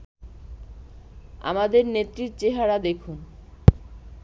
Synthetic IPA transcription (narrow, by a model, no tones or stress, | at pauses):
a̰mad̪eɾnet̪ːɾiɾt͡ɕeɦaɾad̪ekʰun